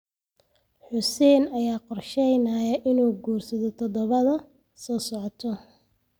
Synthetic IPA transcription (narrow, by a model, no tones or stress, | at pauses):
ħʊsɛːnɐjaːqɔrʃɛjnɐjɐʔɪnuːɡuːrsɐðɔt̪ʰɔðɔβɐðɐ | sɔːsɔʕɔt̪ʰɔ